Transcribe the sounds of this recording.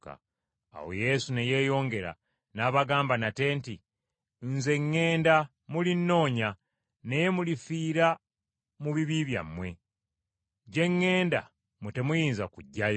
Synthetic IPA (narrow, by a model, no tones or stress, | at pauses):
ka̰ | a̰wo̞̰je̞suneje̞ːjo̞ːŋɡe̞ɾa̰ | naβaɡaːmbanate̞ːnti | nze̞ŋːe̞ːnda | mulinːo̞ːɲa | ne̞je̞mulifiːɾa | muβiβiβja̰mːwe̞ | ɟe̞ŋːe̞ːnda̰ | mute̞mujiːnzakuɟːaj